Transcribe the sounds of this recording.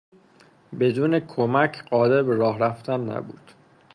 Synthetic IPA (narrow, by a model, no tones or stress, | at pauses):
be̞d̪uːne̞kʰomæcʰɢɒːd̪e̞ɾbeɾɒːhɾæft̪ʰænːæ̰bṵːd̪̥